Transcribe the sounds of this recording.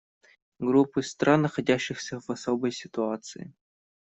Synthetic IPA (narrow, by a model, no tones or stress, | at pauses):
ɡɾupːɨst̪ɾanːɐxɐdʲæɕːɪxsʲɐvɐsobəjsʲɪt̪uat̪sɨ̰ɪ̰